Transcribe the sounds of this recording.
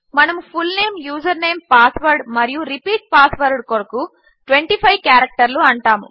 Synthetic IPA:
mɐnɐmupʰulne̞ːmjuːd͡ʒɐɾne̞ːmpaːsʋɐɾɖmɐɾijuɾipiːʈ̚paːsʋɐɾɖkɔɾɐku | ʈʋeɳʈipʰɐjʋkjaːɾɐk̚ʈɐɾluɐɳʈaːmṵ

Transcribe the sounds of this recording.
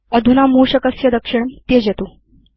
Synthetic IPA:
əd̪ʱunamuːɕəkəsjəd̪əkʂiɳt̪ed͡ʑet̪u

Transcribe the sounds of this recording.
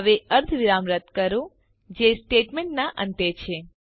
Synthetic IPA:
ʋeʔəɾd̪ʱʋiɾamɾət̪kəɾõ | d͡ʒesʈeʈmeɳnaʔə̰̃nt̪et͡ʃʰe

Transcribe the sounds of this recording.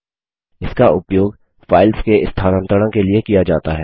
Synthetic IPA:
ɪskaʔʊpjoːɡ | faːɪlskeɪst̪ʰaːnə̃nt̪ɾəɽ̃õkeliekijad͡ʒaːt̪aɦɛː

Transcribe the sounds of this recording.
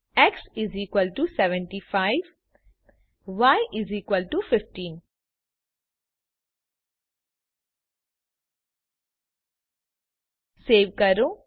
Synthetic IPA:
ɛksiziːkʋəlʈusɛʋɛ̃ɳʈifaɪʋ | ʋajʔɪziːkʋəlʈufɪfʈĩːn | seːʋkəɾõː

